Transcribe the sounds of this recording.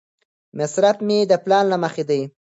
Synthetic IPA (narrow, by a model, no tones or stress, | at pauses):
mɪsɾafmed̪əplɑnlaməxed̪aj